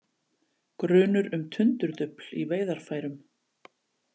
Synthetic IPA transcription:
kɾʏːnʏɾʏmt̪ʰʏnt̪ʏɾðʏpl̥iveːjðaɾ̥faːjɾʏm

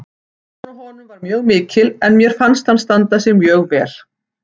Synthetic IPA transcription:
sɔɦɔːnʏmvaɾmjœːɣmɪːcɪlɛnmjɛɾ̥fanst̪hanst̪ant̪asɛɣmjœːɣvɛːɾ̥

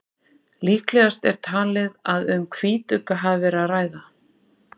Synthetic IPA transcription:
liːhklɛɣast̪ɛɾ̥t̪ʰaːlɪðaðʏmkʰviːt̪ʏkaɦavɪvɛɾaðraːjða

